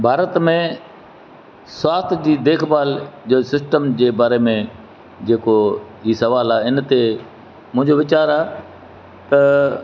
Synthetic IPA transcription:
bʱaːɾət̪mẽ | sʋaːst̪ʰd͡ʑiːd̪eːkʰbaːld͡ʑoːsɪsʈəmd͡ʑeːbaːɾemẽ | d͡ʑeːkod͡ʑiːsɐʋaːlaːɪnt̪e | mʊ̃ɦɪ̃ɲd͡ʑoʋɪt͡ɕaːɾaː | t̪ɐ

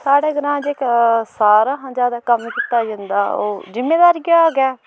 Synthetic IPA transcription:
saːɽeːɡəɾãːd͡ʒeːksaːɾaːɦãːd͡ʒaːd̪aːkəmkit̪aːd͡ʒãːnd̪a̰ːo̰ːd͡ʒɪmːeːd̪aːɾɡɪaaːɡɛː

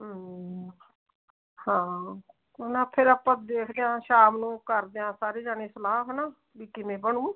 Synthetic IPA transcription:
hãː | ʊnãːpʰɪɾəpːət̪̚d̪eːkʰd̪eãːʃaːmnũːkəɾd̪eːãːsaːɾiːd͡ʒaːneːsəlaːɦɛːnaː | biːkɪmẽːbəɳũː

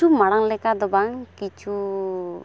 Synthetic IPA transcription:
umalaŋlɛkad̪ɔbaŋkit͡ʃu

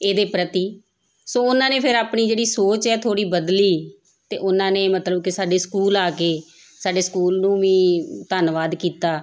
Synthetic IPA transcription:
eːd̪eːpɾət̪iː | soːʊnãːneːpʰɪɾaːpɳiːd͡ʒeːɽiːsoːt͡ʃɛːt̪ʰoːɽiːbəd̪liː | t̪eːʔʊnãːneːmət̪ləbkɪsaːɖeːskuːlaːkeː | saːɖeːskuːlnũːʋĩːt̪əːnʋaːd̪kiːt̪aː

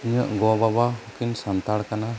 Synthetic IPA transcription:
iɲəʔɡɔbabahɔkinsant̪aɽkana

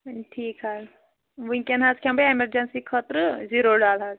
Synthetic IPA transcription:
ʈʰiːkɦal | ʋĩŋkenɦazkʰãmbeeməɾd͡ʒənsikʰət̪ɾziːɾoɖaːlɦaːz

